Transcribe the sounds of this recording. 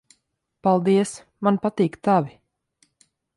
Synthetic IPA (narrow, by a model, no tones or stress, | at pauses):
palˠd̪iəs | manpat̪iːkt̪avʲi